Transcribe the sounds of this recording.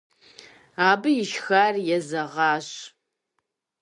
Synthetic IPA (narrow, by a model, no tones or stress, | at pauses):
aːbɨjɪʃxaːrjɛzɐʁɑːɕ